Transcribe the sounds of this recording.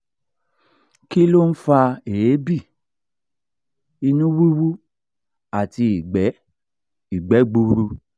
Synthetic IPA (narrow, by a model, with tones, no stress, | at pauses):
ki˦lo˦n̩˦fa˧e˨je˨˦bi˦˨ | i˧nũ˦wi˦wu˦ | a˦˨ti˧i˨ɡ͡bɛ˨˦ | i˨ɡ͡bɛ˨˦ɡ͡bu˧ɾu˧